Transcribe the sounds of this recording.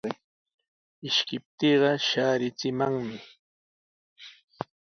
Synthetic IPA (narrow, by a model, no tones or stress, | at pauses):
ɪʃkɪp̚t̪iːɢɑʃaːɾɪt͡sɪmaŋmɪ